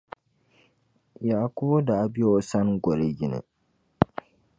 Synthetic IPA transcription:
jaː˨kʊ˦bo˦daː˨˦bɪ˦o˦sa˦ŋɡʷɔ˨le˨ɡɪ˨nɪ̰˨

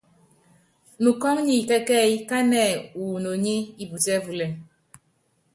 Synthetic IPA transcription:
nu˨kɔ˦ŋɲi˨kɛ˦kɛ˦i˦ka˦nɛ˨u˨no˨ɲe˦i˨bu˨tɛ˦vu˨lɛ˨

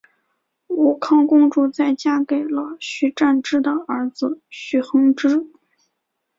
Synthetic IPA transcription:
u˨˩kʰɑ˥˧ŋkʊ˥ŋʈ͡ʂu˥˧t͡sa˥˩ɪt͡ɕja˥ke˨˩ɪlə˧˦ɕy˧˥ʈ͡ʂa˥˧nʈ͡ʂɻ̩˥d̪ə˨ə˞˧˥d͡zɹ̩˧ɕy˧˥xɤ˧˥ŋʈ͡ʂɻ̩˥

